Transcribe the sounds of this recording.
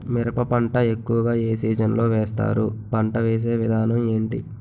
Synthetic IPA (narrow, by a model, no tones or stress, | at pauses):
miɾɐpɐpɐɳʈɐe̞kːuʋɐɡaːe̞ːsiːd͡ʒɐnlo̞ːʋɛːst̪a̰ːɾupɐɳʈɐʋeːs̬e̞ːʋid̪ʱaːnɐme̞ːɳʈi